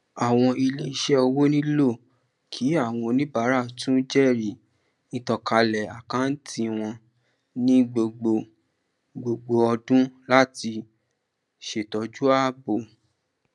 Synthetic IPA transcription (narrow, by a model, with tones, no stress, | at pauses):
a˨w̃ɔ̃˧i˧le˦i˧ʃɛ˦ɔ˧wo˦nĩ˦lo˦˨ | kʰi˨˦a˦˨w̃ɔ̃˧nĩ˦ba˨˦ɾa˦˨tũ˦d͡ʒɛ˦˨ɾi˨ | nĩ˧tɔ˨˧ka˧lɛ˨a˨kã˨˦n̩˦tʰi˧w̃ɔ̃˧ | nĩ˦ɡ͡bo˨ɡ͡bo˧˨ | ɡ͡bo˨ɡ͡bo˧ɔ˧dũ˦la˦ti˧ | ʃe˨tɔ˨d͡ʒu˦a˦bo˨